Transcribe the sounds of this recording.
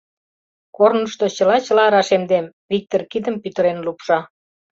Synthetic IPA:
kornə̆ʃt̪ot͡ɕə̆lɑt͡ɕə̆lɑɾɑʃemd̪em | βik̚t̪orkid̪əmpyt̪ə̆ɾenlupʃɑ

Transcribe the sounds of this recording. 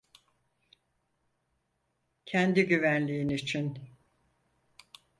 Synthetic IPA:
cʰɛnd̪iɟyvænlʲijinit͡ʃʰin

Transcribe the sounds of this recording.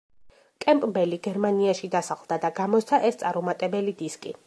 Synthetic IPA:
kʼɛmpʼmbɛliɡɛɾmaniaʃid̪asaʁlˠd̪̥ad̪aɡamɔt̪st̪ʰaʔɛst̪sʼaɾumat̪ʼɛbɛlid̪iskʼḭ

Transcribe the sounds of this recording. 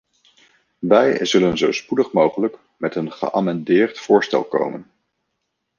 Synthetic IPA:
ʋɛjzɵlənzowspudəχmowχələk | mɛtənχə̰ʔaːmɑndɪːɹtfʊːɹstɛ̰lˠko̰wmən

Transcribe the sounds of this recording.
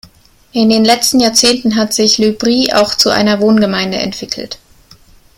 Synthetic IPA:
ʔɪndeːnlɛt͡stn̩jaːɐt͡seːntn̩ɦatz̥ɪçlybʁiːʔa̰ʊxt͡suʔa̰ɪnɐvoːnɡəmaɪndəɛ̰ntv̥ɪkʰl̩t

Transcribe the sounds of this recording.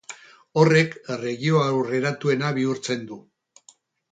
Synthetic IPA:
o̞re̞kre̞ɣio̞awre̞ɾat̪ue̞naβ̞iuɾt͡se̞nd̪u

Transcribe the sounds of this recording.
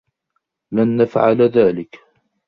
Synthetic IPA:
lanːafʕa̰lðaːlɪk

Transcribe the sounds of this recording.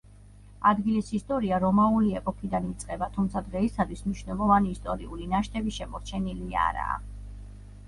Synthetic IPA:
ad̪ɡilisist̪ʼɔɾiaɾɔmauliɛpʼɔkʰid̪anit̪sʼqʼɛbat̪ʰumt̪sʰad̪ʁɛisat̪ʰwismniʃnɛlˠɔvaniːst̪ʼɔɾiulinaʃt̪ʰʼɛbiʃɛmɔɾt͡ʃʰɛnilia̰ɾa̰ː

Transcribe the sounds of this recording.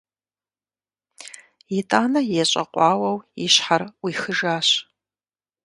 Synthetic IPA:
jitʼaːnɐjɛɕʼɐ̰qʷʼɑːwɐwiɕħarwixɨʒaːɕ

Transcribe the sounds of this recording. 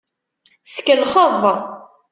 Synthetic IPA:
θkːəlχəðˤː

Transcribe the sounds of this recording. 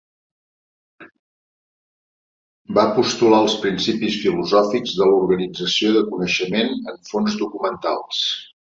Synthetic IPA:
bapust̪ulaəlˠspɾinsipisfiluzɔfiɡzðəluɾɣənid͡zəsioðəkunəʃəmenəɱfonzd̪ukumənt̪alˠs

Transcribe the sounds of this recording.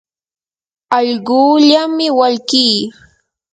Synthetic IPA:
ɑʎɢuːʎamɪwaʎkiː

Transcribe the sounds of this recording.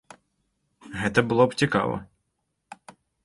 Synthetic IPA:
ɦɛt̪ɛbʊlˠɔbt͡sʲikɑ̰ʋɔ̰

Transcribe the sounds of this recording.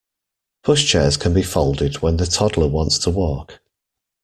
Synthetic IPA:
b̥ʰʊʃt͡ʃʰɛːz̥kʰə̃nbifɒʊlˠdɪdwə̃nðətʰɒdləwɒ̃ntstʰəwɔˑk

